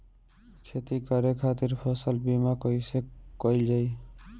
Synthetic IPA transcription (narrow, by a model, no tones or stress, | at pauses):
kʰet̪ikaɾekʰat̪iɾpʰɔsəlbimakɔjsekɔild͡ʒaj